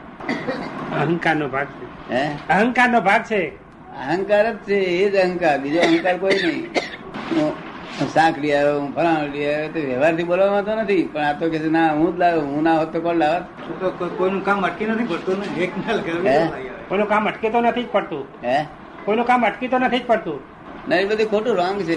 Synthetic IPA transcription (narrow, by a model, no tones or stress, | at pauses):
əɦə̃ŋkaɾnobʱaɡ̚t͡ʃʰe | ɦeəɦə̃ŋkaɾnobʱaɡ̚t͡ʃʰe | əɦəŋkaɾət̪t͡ʃʰeːd͡ʒəɦəŋkaɾbid͡ʒoəɦəŋkaɾkoinəɦĩ | ũ | sãkʰɽiajoũpʰəɾãliajot̪oʋɛʋaɾt̪ʰibolʋamãt̪̬onət̪ʰipəɳ̃at̪okesenaɦũd̪laɡoɦũnaɦot̪ːokɔ̃ɽlaʋat̪ | ũt̪okokoinũkaməʈkinət̪ʰipəɽt̪ũnəekmalkəɾʋieaokkoinũkaməʈkit̪onət̪ʰid͡ʒpəɽt̪ũɦẽ | koinũkaməʈkit̪onət̪ʰid͡ʒpəɽt̪ũ | nəɾibəd̪ʱikʰoʈũɾɔŋɡt͡ʃʰe